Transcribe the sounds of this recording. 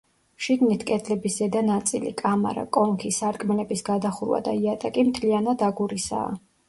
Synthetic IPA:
ʃiɡnit̪ʰkʼɛt̪ʰlɛbiszɛd̪anat̪sʼḭlḭkʼama̰ɾa̰kʼɔŋkʰisaɾkʼmɛlɛbisɡad̪aχuɾwa̰d̪aiat̪ʼakʼimt̪ʰlianad̪aɡuɾisa̰ː

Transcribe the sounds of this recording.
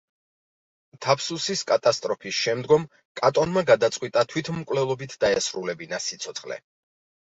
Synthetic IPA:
t̪ʰapʰsusiskʼat̪ʼast̪ʼɾɔpʰisʃɛmd̪ɡɔm | kʼat̪ʼɔnmaɡad̪at̪sʼqʼwit̪ʼat̪ʰwit̪ʰmkʼvlɛlˠɔbit̪ʰd̪aɛsɾulɛbinasit̪sʰɔt̪sχlɛ̰

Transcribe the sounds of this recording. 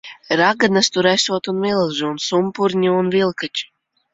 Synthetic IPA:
ɾaɡanast̪uɾæsuɔt̪unmilˠʒuunsumpuɾɲiunvilˠkat͡ʃi̥

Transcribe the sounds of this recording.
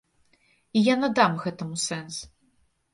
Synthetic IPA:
ijanɐd̪amɣɛt̪ɐmusɛns

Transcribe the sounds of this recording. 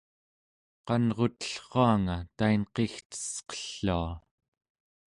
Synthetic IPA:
qɑnʁo̞t̪ə̥ɬχoaŋat̪ainqext̪ə̥sqʌ̥ɬːua

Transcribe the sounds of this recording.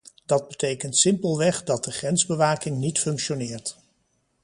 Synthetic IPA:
d̥ɑd̚bətejkəntsɪmpəlˠʋɛχdɑt̚dəχrɛnzbəʋaːkɪŋnitfɵŋkʃonɪːɹt

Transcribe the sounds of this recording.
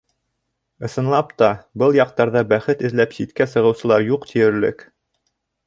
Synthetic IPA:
ɤ̆sɤ̆nlˠɑpt̪ɑbɤlˠjɑq̚t̪ɑɾðɑbæχɘt̪ɘ̆ðlæpsit̪kæsɤ̆ʁɤ̆wsɤ̆lˠɑɾjuqt̪ʰijɘ̆ɾlɘ̰k

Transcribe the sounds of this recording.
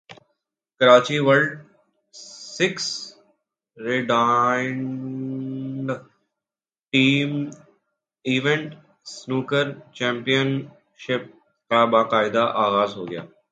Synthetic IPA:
kɐɾaːt͡ʃiʋəɾlɖ | sɪks | ɾɪɖaːɳ | ɖ | ʈiːm | iːʋẽɳʈ | snuːkəɾt͡ʃɛ̃ːmpijən | ʃɪp̚ | kabaːqaːɪd̪aʔaːɣaːzɦo̰ːɡɪja̰ː

